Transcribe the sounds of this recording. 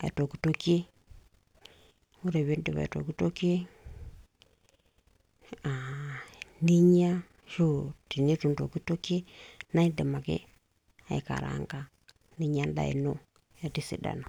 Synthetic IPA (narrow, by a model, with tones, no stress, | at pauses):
a˨ḭ˨to˨ki̥˨˦to˦ke˦ | u˦ɾe˨βe˦ndi˨βa̰˨i˨to̰˨ki˦to˦ke˦ | a˨ | ni˦ɲa˦ | ʃo˦ti˨ni˦tu˨nto˨ki˦to˦ke˦na˦i˦nde˨ma˨kḛ˦ | a̰˨ka̰˨ɾa̰˨ŋɡa˨ | ni˦ɲa˦n˦da̰˨ḭ˨no˦ | ja˨ti˦sḭ˨da̰˨na˨